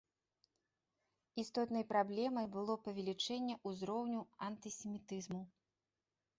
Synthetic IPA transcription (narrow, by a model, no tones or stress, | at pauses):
ist̪ɔt̪nɐjpɾablʲɛmɐjbɨlˠɔpɐvʲɛlʲit͡ʂɛnʲːɛʔuzɾɔwnʲuɐnt̪ɨsʲɛmʲit̪ɨzmu